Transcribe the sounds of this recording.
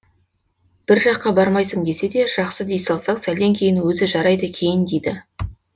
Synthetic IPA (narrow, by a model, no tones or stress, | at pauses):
b̥ɪɾʒɑqːɑbɑɾmɑjsəɴd̪e̞se̞d̪e̞ʒ̥ɑqsəd̪ejsɑlˠsɑqsæle̞ŋkʲʰe̞jɪnwɵzɪʒɑɾɑjd̪əkʲʰe̞jɪnd̪ejd̪ɪ